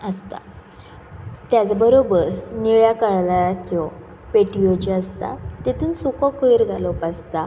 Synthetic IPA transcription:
əst̪a̰ | t̪jat͡sbəɾobəɾniɭjakəɭlaɾat͡sɔ | peʈijod͡ʑiəst̪a̰t̪et̪ʰuːnsukɔ̃koiɾɡʱalɔpast̪a

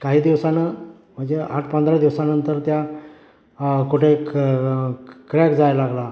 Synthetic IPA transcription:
kaɦiːd̪iʋsanə | m̤əɳd͡ʑeaʈʰpənd̪ɾad̪iʋsanənt̪əɾt̪ja | kuʈʰe | kɾjakd͡zajlaɡla

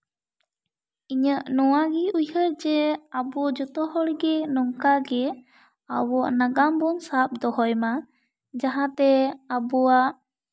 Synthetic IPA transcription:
iɲəʔnɔwaɡɛujɦəɾd͡ʒɛabɔd͡ʒɔt̪ɔɦɔɽɡɛnɔŋkaɡɛ | a̰wɔʔnaɡambɔnsap̚d̪ɔɦɔjma | d͡ʒaɦãt̪ɛabuaʔ

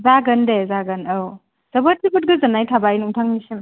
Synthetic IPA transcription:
zaɡɐndezaɡɐnaw | z̥ɐbɐt̚ibut̚ɡɯzɐnajtʰabajnuŋtʰaŋnisim

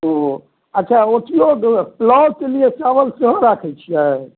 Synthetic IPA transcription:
o | əːt͡ʃʰaot̪ijoɡplɔt͡ʃəlijesaʋəlsəɦõɾakʰɛt͡ʃʰijɛ

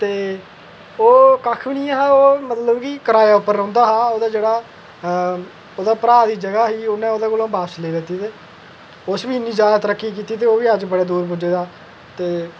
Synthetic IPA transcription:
t̪eː | oːkəkʰbɪnĩːãɦaːoːmət̪ləbkikəɾaːjaːʊpːəɾːə̃ːnd̪aːɦaːoːd̪aːd͡ʒeːɽaː | oːd̪aːpəɾaːd̪iːd͡ʒəɡaːɦiːʊnẽːoːd̪eːkoːlõːbaːsleːd̪ɪt̪ːiːt̪eː | osbiːɪnːĩːd͡ʒaːd̪aːt̪əɾəkːiːkiːt̪iːt̪̬eːoːʋiːəd͡ʒbəɽeːd̪uːɾbʊd͡ʒeːd̪aː | t̪eː

